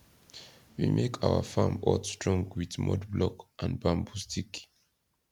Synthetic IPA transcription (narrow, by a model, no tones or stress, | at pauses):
wimʔekʰawə̰fãmɔlstɹɔ̃ŋɡwitmʔɔ̰dblɔkʔãnbãmbustʰik